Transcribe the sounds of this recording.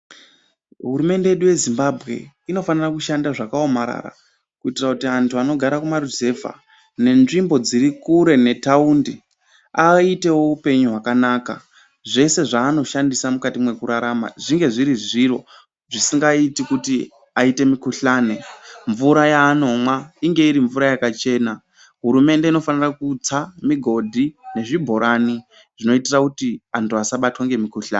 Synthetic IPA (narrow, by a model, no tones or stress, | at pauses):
ɦuɾume̞nde̞jeɗuje̞zimbabʱɣe̞̰ | ino̞fanirakuʃandaʐakao̞maɾa̰ɾa̰ | kuitirakutiantuano̞ɡʱaɾakumaruze̞va̰ | ne̞nʐimbo̞d͡ziɾikuɾe̞ne̞taundi | aite̞wo̞upe̞ɲuɦwakanaka̰ | ʐe̞se̞ʐaːno̞ʃandisamukatimwe̞kuɾaɾama̰ʐiŋɡe̞ʐiɾiʐiro̞ | ʐisiŋɡaitikuti | aite̞mikuɬaːneɱvuɾajaːno̞mwaiŋɡe̞iɾiɱvuɾajakat͡ʃe̞ːna | ɦuɾume̞nde̞ino̞fanirakut͡samiɡʱo̞dʱine̞ʐibʱo̞ɾʔani | ʐ̥ino̞itirakutiantuasaɓatwaŋɡe̞mikuɬa̰ːne